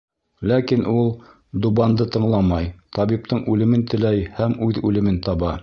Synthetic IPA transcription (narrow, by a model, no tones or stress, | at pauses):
lækinʔulˠ | d̪ubɑnd̪ɤt̪ɤ̆ɴlˠɑmɑjt̪ɑβip̚t̪ɤɴʔʉlɘ̆mɘnt̪ɘ̆læjhæmʉðʉlɘ̆mɘnt̪ɑβɑ